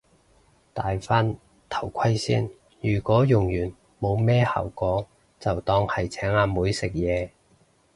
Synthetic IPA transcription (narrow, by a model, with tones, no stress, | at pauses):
t̪aː˨jfaː˥n | t̪ʰɐ˨˩wkʷʰɐ˥jsḭː˥n | jyː˨˩kɔː˨˥jʊ˨˩ŋjyː˨˩n | mo˨˧wmɛː˥ha̰ː˨˩wkɔː˨˥ | t͡sɐ˨wt̪ɔː˧ŋhɐ˨jt͡sʰɛː˨˥ŋaː˧muː˨˧jsɪ˨k̚jɛː˨˧